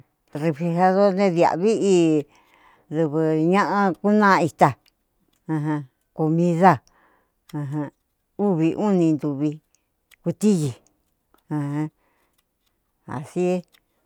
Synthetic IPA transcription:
re˧fli˧ɦa˧ðo˦nẽ˦ðja̰˨βi˦ʔi˧ | ðɨ˧βɨ˧ɲã˦ʔã˧ku˦nã˦˧i˧t̪a˧ | ã˧ɦã˧ | ko˧mĩ˧ða˦˨ | ã˧ɦã˧ | u˦βi˧ʔu˦nĩ˧nd̪u˨βi˧ | ku˧t̪i˦ji˨ | ã˧hã˧ | a̰˨si˦e˦

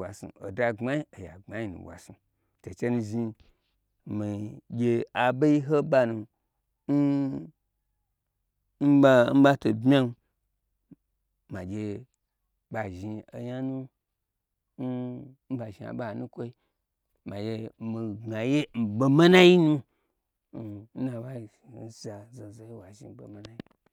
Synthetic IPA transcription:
wa˨sṵ̃˨o˨da˧ŋ͡ma˦ji˦o˨ja̰˨ŋ͡ma˦i˦nṵ̃˨wʷa̰˨su˨ | to˨t͡ʃe˦nu˧ʒi˧ | mi˨ɡʲe˧a˨ba˦i˦ɦo˦ba˧nu˧ | n̩˦ | m̩˦ba˧m̩˦ba˦to˨bmʲ˦a˦n˧ | ma˨ɡʲe˧ | ba˨ʒi˧o˨ja˦nu˦ | n˦m̩˦ba˨ʒi˨a̰˨ba˦˨nũ˦kʷo˦i˦ | ma˨jʲe˧mi˨ɡa˨je˦m̩˨bo˧ma˦na˦ji˦nu˦˨ | n̩˦na˨ba˦˨n̩˦za˨zo˨zo˨je˦wa˨ʒĩ˨bo˨ma˦nã˦ji˦

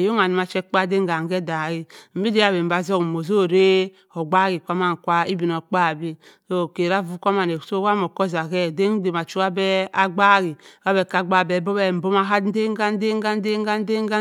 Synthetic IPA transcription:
jo˦ŋa˨ni˨˦a˨t͡ʃɛ˦k͡pa˦˨de˦ŋ˦ɡa˨ŋ˨ɡɛ˦da˨ɣi˦m̩˦bi˦de˦a˦˨be˨m˨ba˨zɔ˦kmo˨zo˦˨ɾe˦ | o˨ɡ͡ba˦ɣi˨kʷa˦ma˦˨ŋ˨kʷa˦i˦bi˨no˨k͡pa˦˨bi˦ | so˦˨ke˨ɾa˦vu˦kʷa˦ma˨ne˨˦so˦wa˦mo˨kɔ˦za˨ɡɛ˦de˦ŋ˦de˨ma˨t͡ʃu˦a˦bɛ˦a˦ɡ͡ba˦˨ɡi˨a˦bɛ˨ka˨ɡ͡ba˦˨bɛ˨˦bo˦bɛ˦˨m̩˨bo˦ma˦ɦa˦de˦ŋ˦ɡa˦n˦de˦ŋ˦ɡa˦n˦de˦ŋ˦ɡa˦n˦de˦ŋ˦ɡa˦

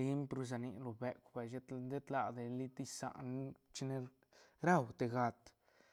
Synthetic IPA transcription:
i˦mpɾu˧z̬a˨ni˧lo˨be˨kʷba˨ʃe˦d̪e˦t̪la˨d̪e˨li˦t̪i˦sa̰˨ʔn˦t͡ʃi˦ne˧ | ɾa˦˨wt̪e˨ɡa˧t̪

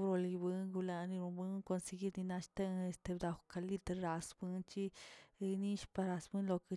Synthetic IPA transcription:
bɾo˧li˧bɨ˧ŋɡu˧la˧ni˧ɾu˧bɨ˧ŋko˧nse˧ɡi˦ɾni˧na˧ʃt̪a˦ŋe˧st̪e˧bd̪a˧xka˧li˦˧t̪ɾɾa˧sbɨ˧nt͡ʃi˦˧ni˦ʃpa˧ɾa˧sbɨ˦nlo˧ke˧

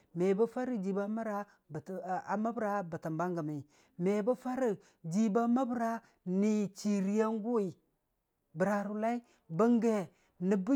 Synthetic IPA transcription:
me˨ba˦fa˦ɾi˦d͡ʒi˨ba˦ma˦ɾa˦˨ | a˨ma˦bɾa˦ba˨ta˨mba˦ŋɡa˨mi˨ | me˨ba˦fa˦ɾi˨ | d͡ʒi˨ba˦ma˦bɾa˦ | ni˨t͡ʃi˨ɾi˦ja˦ŋɡu˦wi˨ | bə˨ɾa˨ɾu˨la˦i˦ | bə˦ŋɡe˨ | ni˨bu˦

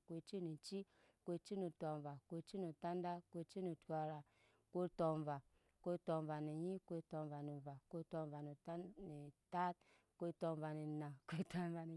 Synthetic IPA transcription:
kʷe˨t͡ʃi˦ni˨t͡ʃi˦ | kʷe˧t͡ʃi˦ni˨tɔ˨va˨kʷe˧t͡ʃi˦ni˨ta˦n˦da˦kʷe˧t͡ʃi˦ni˨ta˨ɾa˨ | ke˦tɔ˨va˨ | kʷe˦tɔ˨m˨va˨ni˨ji˦kʷe˦˧tɔ˨m˨va˨ni˨va˨kʷe˦tɔ˧va˨ni˨˦ni˨ta˦t̚ | kʷe˦˧tɔ˧va˨ni˨na˨kʷe˦ta˨va˨ni˨

